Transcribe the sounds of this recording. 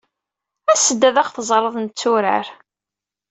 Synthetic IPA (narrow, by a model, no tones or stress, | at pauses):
æsəd̪ːæðæχθəzˤɾˤəðˤnt͡sːuɾə̰ɾ